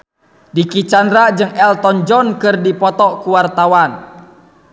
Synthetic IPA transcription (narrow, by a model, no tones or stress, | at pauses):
dikit͡ʃandɾad͡ʒɨŋɛlt̪ɔnd͡ʒɔnkɨrdipɔt̪ɔkuwart̪awan